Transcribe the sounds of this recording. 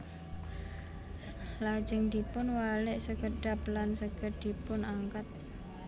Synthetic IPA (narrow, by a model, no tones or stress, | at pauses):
lad͡ʒəŋd̪ipʊnwalɪʔsəɡəɖaplansəɡ̥əd̪̥ipʊnaŋkat̪̚